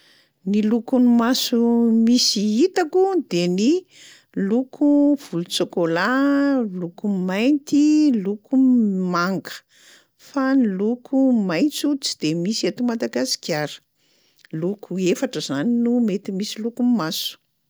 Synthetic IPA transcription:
nilukunimasumisiit̪akud̪eni | lukʰuv̥ulut͡sokolalukumajnt̪ilukʰumaŋɡə̥ | fanilukʰumajnt͡sut͡si̥d̪̥emisiet̪umad̪aɡasi̥kʲjaɾə̥ | lukʰuefaʈ͡ʂəzaninumet̪imisilukumasu̥

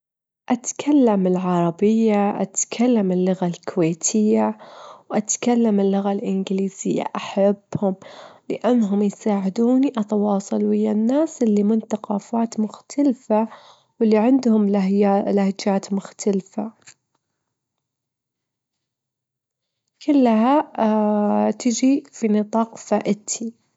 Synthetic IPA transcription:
ʔat̪kʰalːamɪlʕɑɾˤɑbɪjːaʔa̰t̪kʰalːamɪlːʊɣalkʰʊweːt̪ʰɪjːawʔat̪kalːamɪlːʊɣalʔɪnɡliːz̥ɪjːa̰ʔaħabːhʊmlɪʔanːɦʊmjsaːʕɪd̪uːniʔɑt̪awɑːsˤɨlwhɪjːanːaːsʔɪlːimʊnt̪aqɑːfaːt̪mʊxt̪ʰalfa | wɪlːiʕɪnd̪hʊmalahd͡ʒaːt̪mʊxt̪ʰalfa | kʊlːɦa | t̪ɪd͡ʒifinɨt̪ˤɑːqfaːʔɪt̪ʰi

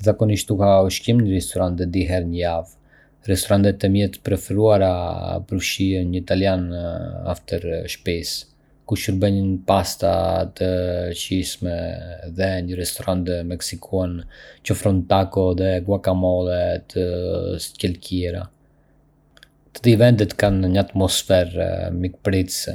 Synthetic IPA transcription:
zakɔniʃt̪ukauʃkimɲəɾɛst̪ɔɾant̪ɛd̪iɦɛɾɲəjav | rɛst̪ɔɾant̪ɛt̪ːɛmjɛt̪pɾɛfɛɾuaɾapəɾfʃiəɲəit̪aljana̰ft̪ɛɾʃpis | kuʃuɾbɛɲənpast̪a̰t̪ət͡ʃiʃmɛðɛɲəɾɛst̪ɔɾant̪mɛksikʰuant͡ʃɔfɾɔnt̪akɔðɛɡwakamɔlˠɛt̪ʰəscɛlcʰiɛɾa̰ | t̪ə̥d̪ivɛnd̪ɛt̪kanɲəat̪mɔsfɛɾmik̚pɾit̪s

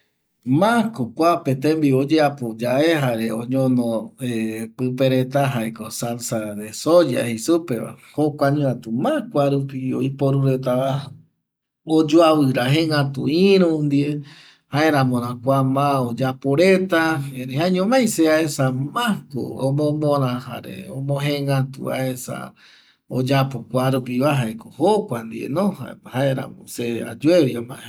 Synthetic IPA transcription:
mãkokʷapet̪ẽmbiod͡ʒeapod͡ʒaeɦaɾeõɲõnõepɨpeɾet̪aɦaekosansaɾesod͡ʒa̰hisupeβa̰hokʷaɲũat̪umãkʷaɾupioipoɾuɾet̪aβa | od͡ʒoaβɨɾaɦeŋat̪ṵĩɾũnd̪ie | haeɾãmõɾ̃ãkʷamãod͡ʒapoɾet̪aẽɾehaɲõmajseaesamãko̰omõmõɾãha̰ɾḛõmõɦẽŋɡat̪ṵa̰esa̰ | od͡ʒapokʷaɾupiβaɦaekohokʷand̪iḛnõhahaeɾa̰mõ̰sea̰d͡ʒueβjamã̰

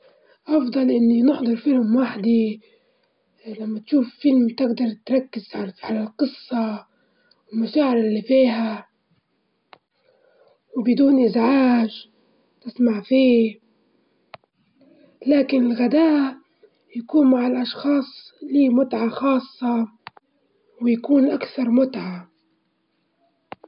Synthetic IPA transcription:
ʔɑfd̪ˤɑlʔɪnːinɪħd̪ˤɑɾˤfɪlmwaħd̪i | lamːat̪ʃuːffɪlmt̪ɪɡd̪ɑɾˤt̪ɾˤɑkːɪz̥ʕalalqɨsˤːɑ | wɪlmʊʃaːʕɪɾˤɪlːifiːɦa | wbɪd̪uːnʔɪzʕaːʒ | t̪ɪsmaʕfiː | laːkɪnɪlɣad̪aːʔ | jakuːnmaʕalʔɑʃxɑːsˤliːmʊt̪ʕaxɑːsˤːɑ | wɪjakuːnʔakθɑɾˤmʊt̪ʕa

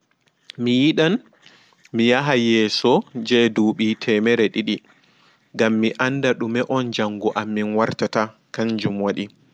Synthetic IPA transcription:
mijiɗan | mijaɦajɛːsɔd͡ʒɛduːɓiːtʰɛmɛɾɛɗiɗi | ɡamːiʔandaɗumɛʔɔnd͡ʒaŋɡɔʔamːinwaɾtata | kaɲd͡ʒumwaɗi

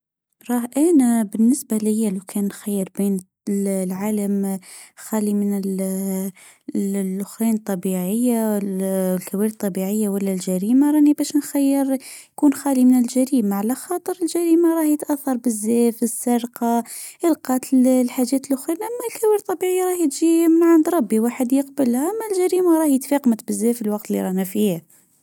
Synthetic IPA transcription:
ɾˤɑːhʔænæbɪnːɪsbalɪhjælokʰæːnːxajːəɾbiːn | lʕaːləmxælimənəl | lʔʊxwæːnt̪ˤːɑbiʕəjːa | lkæwiːɾt̪ˤːɑbiʕəjːawælːælʒæɾiːmaɾˤɑnibæːʃnxajːəɾjkuːnxæːlimənəlʒæɾiːmaʕalæxɑːt̪ˤəɾəlʒæɾiːmaɾˤɑːhjət̪ʔæθːɑɾˤbəzːæːfəsːɑɾqɑʔəlqɑt̪llħaʒːæːt̪əlʔʊxwænʔæmːælkæwæːɾt̪ˤːɑbiʕəjːaɾˤɑːħjət̪ʒimaʕand̪ɾˤɑbːiwaħəd̪jəqbəlhaʔæmːælʒæɾiːmaɾˤɑhjət̪feqmət̪bəzːæfəlwɑqt̪əlːḭɾˤɑnæfiha

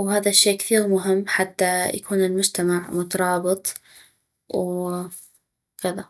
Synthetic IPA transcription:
whaːðaʃːeːkθiːɣmʊɦɪmːħat̪ːaja̰kuːnɪlmʊd͡ʒt̪amaʕmʊt̪ɑɾˤɑːbɨt̪ˤ | w | kɪða

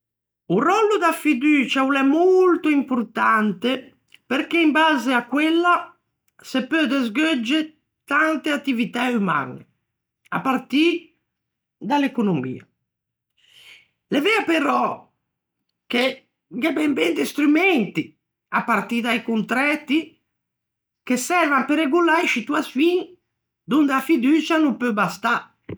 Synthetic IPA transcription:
urɔlːod̪afid̪yːt͡ʃaulɛmolt̪oimpoɾt̪ant̪e | peɾkeimbaːzeakːwelːa | sepød̪ezɡød͡ʒːe | t̪ant̪eat̪ːivit̪auma̰nḛ | a̰pːart̪i | d̪alekonomḭːa̰ | levɛapeɾɔ | k̟e | ɡɛbɛmbɛnd̪ist̪ɾymɛnt̪i | apːart̪id̪ajkunt̪ɾɛt̪ːi | kesɛrvampeɾeɡulajʃit̪uasfin | d̪und̪eafid̪ut͡ʃanumpøbast̪a

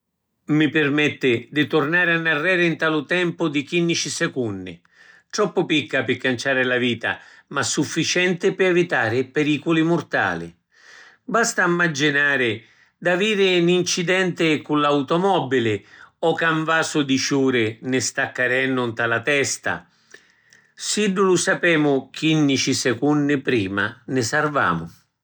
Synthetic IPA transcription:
mipɪrmɛt̪ːɪd̪it̪ʊrnaːɾɪanːarːɛːɾɪint̪aːlʊt̪ɛmpʊd̪ikinːit͡ʃisɛkunːɪ̰ | t̪ɾɔpːʊpikːapɪkːant͡ʃaːɾɪlaviːt̪a̰ | masːufːit͡ʃɛnt̪ɪpɪɛvit̪aːɾɪpɛɾiːkʊlimʊrt̪a̰ːlɪ̰ | bast̪amːad͡ʒinaːɾɪ | d̪aviːɾɪnint͡ʃid̪ɛnt̪ɪkulawt̪ɔmɔbilɪɔkaɱvaːsʊd̪it͡ʃuːɾɪnɪst̪akːaɾɛnːʊnt̪alat̪ɛst̪a̰ | siɖːulʊsapɛːmʊk̟inːit͡ʃisɛkunːɪpɾiːma̰nɪsarva̰ːmʊ̰

